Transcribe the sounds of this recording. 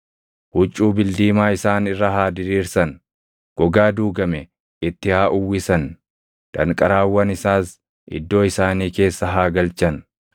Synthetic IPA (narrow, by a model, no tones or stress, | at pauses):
hʊt͡ʃʼːuːbɪld̪iːmaːɪsaːnɪrːɐɦaːd̪ɪɾiːɾsɐn | ɡ̥ɔɡaːd̪uːɡɐmɛ | ɪt̪ːɪhaːʔʊwːɪsɐn | d̪̥ɐŋkʼɐɾaːwːɐnɪsaːs | ʔɪ̰d̪ːo̞ːɪsaːniːke̞ːsːɐɦaːɡɐlt͡ʃɐn